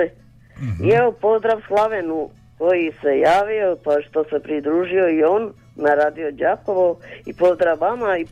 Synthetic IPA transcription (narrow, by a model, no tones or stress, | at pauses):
ieopo̞zd̪ɾaʋslˠaʋenu | kojise̞jaːʋio̞paʃt̪o̞se̞pɾid̪ɾuːʒio̞ionː | aɾaːd̪iod͡ʑaːko̞ʋoipo̞zd̪ɾaʋːamai